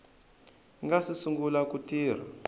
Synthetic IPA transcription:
ŋɡasisuŋɡulakutiːr̤a̰

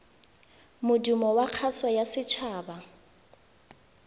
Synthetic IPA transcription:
mʊdumɔwaq͡χʰaswajasɪt͡ʃʰaːba

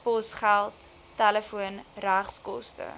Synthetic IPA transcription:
pɔsχælˠtː | æləfuənræχskɔstə̰

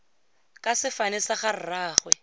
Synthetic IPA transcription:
kʼasɪfanɪsaχar̩raːχwɛ

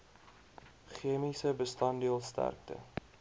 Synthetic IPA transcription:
χiəmisəbəstɐndiəlˠstæ̰rk̚tə̰

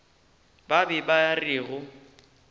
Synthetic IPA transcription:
babɪbajariːɣʊ

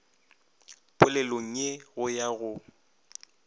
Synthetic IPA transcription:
pʼʊlɛloŋ̩eɣʊjaɣʊ

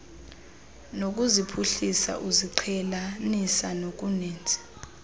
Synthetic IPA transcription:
nok̬ʼuzipʰuɬisa̰ʔuziǀʰɛlanisanok̬ʼuneːnd͡zʱɛ̥

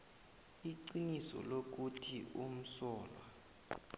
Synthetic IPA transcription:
iǀinisɔ̰lok̬utʰium̩sɔːlwa

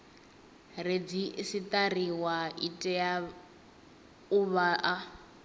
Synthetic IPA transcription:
red͡zisit̪ariwaitʼɛja | uβaʔa

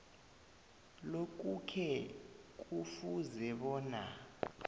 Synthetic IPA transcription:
lok̬ʼukʰɛk̬ʼufuzɛɓɔːna

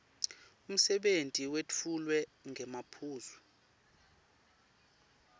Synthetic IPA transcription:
um̩sɛɓentʼiwet͡fʰulwɛŋʱɛmapʰuːzi

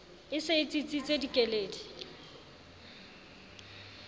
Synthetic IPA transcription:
ɪsɪɪt͡sʼit͡sʼit͡sʼedikʼeleːdi

